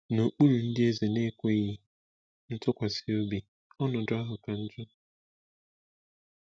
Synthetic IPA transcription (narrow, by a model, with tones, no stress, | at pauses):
no˨k͡pu˦ɾu˨n̩˦dɪ˦e˦ze˨ne˦kʷe˦ɣi˨ | n̩˦tʊ˦kʷa˨si˦o˦bi˨ | ɔ˦nʊ˨dʊ˦a˦ɦʊ˨ka˨n̩˦d͡ʒʊ˦